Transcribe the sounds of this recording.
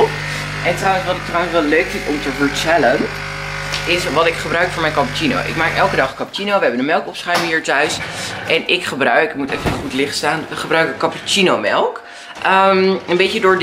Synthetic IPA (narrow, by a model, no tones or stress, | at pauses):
ʔɛntrwənsʋɑtɪktrawənsʋɛløɥkfɪ̃ntɔmtəvəɹtɛlən | ɪsʋɑtɪkχəbrœɥkfʊːɹmɛjnkɑput͡ʃino̰wʔɪ̰kmaːkɛlˠkədɑχkɑpt͡ʃinowʋəɦɛbəndənmɛlˠkɔpsχœɥmŋɦiːɹtœɥsʔɛnɪkχəbrœɥɪkɪk̚mutɛfəəχutlɪχtstaːnʋəχəbrœɥkəkɑput͡ʃinomɛlˠk | ʔəmənbejtədʊːɹd